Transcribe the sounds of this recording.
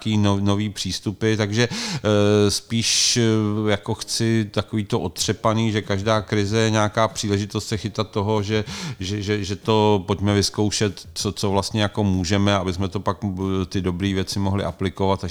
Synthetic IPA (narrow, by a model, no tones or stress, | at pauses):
kiːnnoviːpr̝̥iːst̪upɪt̪aɡʒɛ | spiːʃ | jako̞xt͡sɪt̪akoviːt̪oʔo̞t̪r̝̥ɛpaniːʒɛkaʒdaːkɾɪzɛjɛɲaːkaːpr̝̥iːlɛʒɪt̪ost̪sɛxɪt̪at̪t̪ːo̞ɦo̞ʒɛʒɛʒɛʒɛt̪o̞pocmɛvɪsko̞wʃɛt̪t͡sot͡sovlast̪ɲɛjako̞muːʒɛmɛaabɪsmɛt̪opakt̪ɪdo̞bɾiːvjɛt͡sɪmoɦlɪ̰ʔaplɪkovat̪a